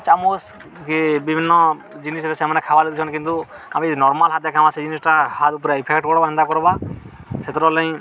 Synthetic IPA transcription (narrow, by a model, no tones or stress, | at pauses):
t͡ʃamos | kibibʱinːɔd͡ʒinisɾesemanɛkʰabalit̪ut͡ʃʰɔnkint̪u | amĩnɔɾmalɦat̪̚jakʰamased͡ʒinisʈahat̪upɔɾeipʰekʈ̚kɔɽɔbanind̪akɔɾɔba | sʰet̪ɾɔlɔj̃